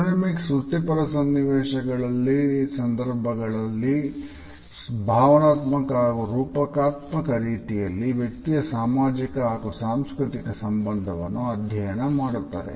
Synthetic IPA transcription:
nɐmiksut̪ːipɐɾɐsɐnːiʋɛːʃɐɡɐɭɐlːisɐnd̪ɐɾbʱɐɡɐɭɐlːi | bʱaːʋɐnaːt̪mɐkɐɡuɾuːpɐkaːt̪mɐkɐɾiːt̪ijɐlːiʋjek̚t̪ijɐsaːmaːd͡ʒikɐɦaːkusaːmskɾit̪ikɐsɐmbɐnd̪ʱɐʋɐ̰nːuɐd̪ʱjɐjɐnɐmaːɽut̪ːa̰ːɾḛ

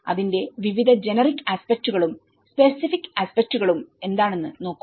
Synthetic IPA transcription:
ɐ̰ðinde̞ʋiʋid̪ʱɐd͡ʑe̞nɐrikːaspek̚tuɣɐɭum | spe̞sifikːaspek̚tuɣɐɭume̞nd̪aːɳe̞nːɨno̞ːkːu

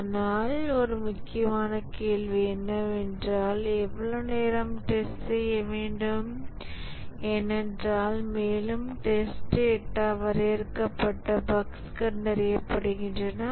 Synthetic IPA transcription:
naːlɔɾɯmʊkːɪjɐmaːnɐkeːlʋiɛnːɐʋɛndraːlɛʋːɐɭoneːɾɐmʈesʈsɛjːɐʋeːɳɖɯm | ɛnːɛndraːlmeːlɯmʈesʈɛʈːaːʋɐɾeɪɾɯkːɐpːɐʈːɐbɐkskɐnd̪ɐɾɪjɐpːɐɽɯɣɪndrɐnɐ

